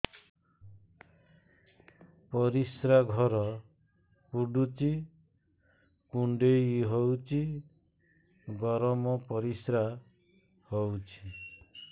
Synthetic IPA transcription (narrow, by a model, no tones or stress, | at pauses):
pɔɾisɾaɡʱɔɾɔ | puɖut͡ʃʰi | kuɳɖeiɦɔwt͡ʃʰi | ɡɔɾɔmɔpɔɾisɾa | hɔwt͡ʃʰi̥